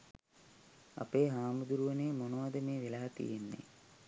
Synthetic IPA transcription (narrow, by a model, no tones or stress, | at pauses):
a̰peːɦaːmud̪uɾuʋəneːmonoʋad̪əmeːʋelaːt̪ḭjenːḛ